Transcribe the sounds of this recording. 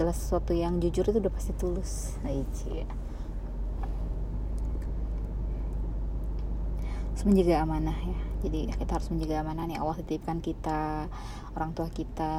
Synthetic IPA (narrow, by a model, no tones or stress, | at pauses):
alahsə̥suat̪ujaŋd͡ʒud͡ʒʊɾit̪uːdahpḁst̪it̪ulʊs | daid͡ʒi | aɾʊsməɲd͡ʒəɡaːmanahjad͡ʒadijakit̪aɦaɾʊsməɲd͡ʒəɡaːmanahnia̰waldit̪ip̚kankit̪a | oɾaŋt̪uahkit̪a